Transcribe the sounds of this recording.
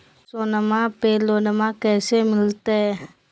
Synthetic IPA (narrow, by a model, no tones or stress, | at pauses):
sɔnamapelonəmakɛsemilt̪ɛ